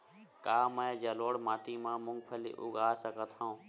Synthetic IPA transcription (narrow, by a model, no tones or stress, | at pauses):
kaːmə̃d͡ʒəloːɽmaːʈ̪iːmãːmʊ̃ŋɡpʰəlḭʔʊ̰ɡaːsəkət̪ʰãũː